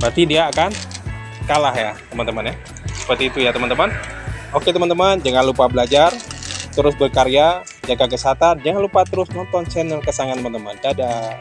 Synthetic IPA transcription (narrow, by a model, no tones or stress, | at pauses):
bərt̪idiaːkan | kalahjat̪əmant̪əmanja | sə̥pərt̪iːt̪ujat̪əmant̪əmanoket̪əmant̪əmand͡ʒaŋanlupabəlad͡ʒart̪əɾʊsbərkaɾia | d͡ʒakakəsat̪and͡ʒaŋanlupat̪əɾʊsnɔnt̪ɔnt͡ʃɛnərkəsaŋant̪əmant̪əma̰ndada